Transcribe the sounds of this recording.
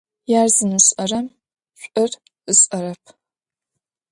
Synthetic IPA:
jaːrzɨnuɕʼɐrɐm | ɕʷʼɐr | ɨɕʼɐɾɐpʰ

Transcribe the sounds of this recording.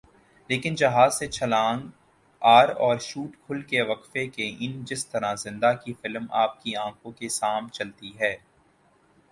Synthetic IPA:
leːkɪnd͡ʒɐɦaːzset͡ʃʰɐlãːŋɡ | aːɾɔːɾʃuːʈkʰʊlkeʋɐqfekeʔɪnd͡ʒɪst̪ɐɾãzɪ̃nd̪akifɪlmaːp̚kiãːkõkesaːmnt͡ʃɐlt̪iɦɛː

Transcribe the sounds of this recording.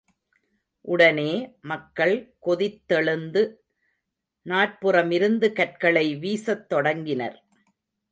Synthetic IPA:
ʔʊɽɐneːmɐkːɐɭkɔðɪt̪ːɛɭɯnd̪ɯ | naːʈ̚pɯrɐmɪɾɯnd̪ɯkɐʈ̚kɐɭɐɪʋiːsɐt̪ːɔɽɐŋɡɪnɐ̰ɾ

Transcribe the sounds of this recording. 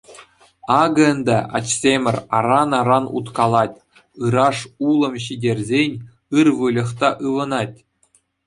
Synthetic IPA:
ɑɡɤ̆ə̆nd̪ɑʔɑ̰t͡ɕsʲemʲɘ̆rʲɑrɑnɑɾɑnṵt̪kɑlˠɑtʲ | ɯɾɑʂulˠɤ̆mɕidʲerʲzʲenʲ | ɯrʋɯlʲɤ̆χt̪ɑʔɯʋɤ̆nɑtʲ

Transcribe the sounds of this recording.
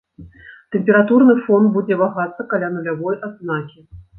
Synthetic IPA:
t̪ɛmʲpʲɛɾat̪urnɨfɔnbud͡zʲɛvaɣat̪sɐkalʲanulʲavɔjʔad̪znakʲi

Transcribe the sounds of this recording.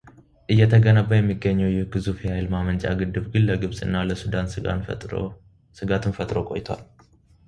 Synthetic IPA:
ʔɨjːɛt̪ʰəɡənəβːəjɛmːiɡːəɲːɛwjɪhɡɨzufihajlmamənt͡ʃʼa̰ɡɨd̪ːɨβɡɨnləɡɨβsʼɨnːaləsud̪anʼ | sɨɡat̪ʰɨnfət̪ʼɾo̞kʼo̞̰jɪt̪ʰowa̰l

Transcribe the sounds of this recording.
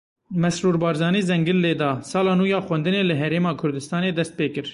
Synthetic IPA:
mɛsɾuːɾbɑːɾzɑːniːzɛŋɡɨlːeːd̪ɑːsɑːlɑːnuːjɑːxwɛnd̪ɨneːlɨɦɛɾeːmɑːkʰʊɾd̪ɨst̪ɑːneːd̪ɛst̪̚peːkɨɾ

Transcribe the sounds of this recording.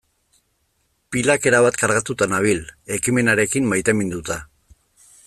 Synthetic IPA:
pilake̞ɾaβat̪kaɾɣat̪ut̪anaβ̞ile̞kime̞naɾe̞kimmajt̪emind̪ut̪a

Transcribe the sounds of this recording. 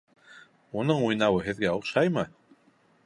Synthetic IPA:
unɤɴujnɑwɤɦɘ̆ðɡæuqʃɑjmɤ

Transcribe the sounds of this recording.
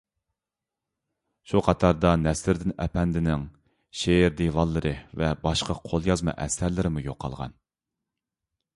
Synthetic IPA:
ʃuqʰɑt̪ʰɑɾd̪ɑnɛslɪɾd̪ɪnɛ̰pʰɛnd̪ɪnɪŋ | ʃeɾd̪evɑlˠːɨɾɨvɛbɑʃqʰɑqʰolˠjɑzmɑ̰ʔɛsæɾlɪɾɪmujoqːɑ̰lˠʁɑ̰n

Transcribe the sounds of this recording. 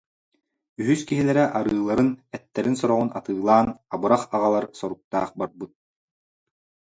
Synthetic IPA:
yɦyskiɦilɛɾɛʔaɾɯːlˠːaɾɯnɛt̪ːɛɾinsɔɾɔʁunat̪ɯːlˠaːnabɯɾaχaʁalˠaɾsɔɾuk̚t̪a̰ːχbaɾbut̪̚

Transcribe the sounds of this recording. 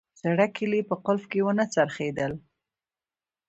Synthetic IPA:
z̥aɽakʰɪlipəqʊlfkewənət͡saɾχed̪əl

